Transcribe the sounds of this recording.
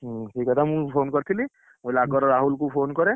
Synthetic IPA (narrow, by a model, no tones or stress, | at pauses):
ʈʰiːkɦat̪ʰamũpʰoːnkɔɾt̪ʰili | molakɔɾɾaɦulkupʰoːnkɔɾe